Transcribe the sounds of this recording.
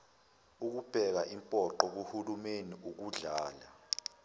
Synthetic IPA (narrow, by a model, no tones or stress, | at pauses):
uk̬ub̥ʱɛk̬aʔimpʼɔǃɔk̬uhulumeniʔuk̬uɮaːla